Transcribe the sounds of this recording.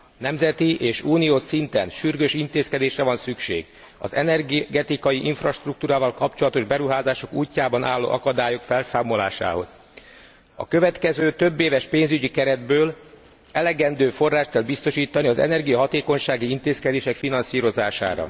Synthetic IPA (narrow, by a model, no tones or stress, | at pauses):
nɛmzɛt̪iʔeːʃuːnioːsint̪ɛnʃyrɡøːʃint̪eːskɛd̪eːʃrɛvɒnsykʃḛːɡ | ɒ̰zɛ̰nɛrɡɡɛt̪ikɒjiʔiɱfrɒʃt̪ruk̚t̪uːɾaːvɒlkɒpt͡ʃo̞lɒt̪o̞ʒbɛɾuɦaːzaːʃo̞kuːcːaːbɒnʔa̰ːlːo̰ːʔɒkɒd̪aːjo̞kfɛlsaːmo̞la̰ːʃa̰ːɦo̞̰z̥ | ɒ̰kø̞vɛt̪kɛzøːt̪ø̞bːeːvɛʃpeːnzyɟikɛɾɛd̪̚bøːl | ɛlɛɡɛnd̪øːfo̞rːaːʃt̪̚kɛlbist̪o̞ʃiːt̪ɒniɒzɛ̰nɛrɡijɒɦɒt̪eːko̞ɲʃaːɡiint̪eːskɛd̪eːʃɛkfinɒnsiːɾo̞zaːʃa̰ːɾɒ̰